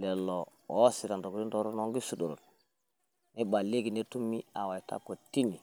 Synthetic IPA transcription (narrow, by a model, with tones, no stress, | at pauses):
lɛ˨lo˨o˦si˨ɾa˨ndo˨ɡɾi˦ndo˨ɾo˦no˨˦ŋɡi˦su˦do˨ɾo̰˨ | ne˦ɓa˨le˦ɡi˨ne˦tu˦mi˦a˨wa˨i˨ta̰˦ko˨ti˦ni˨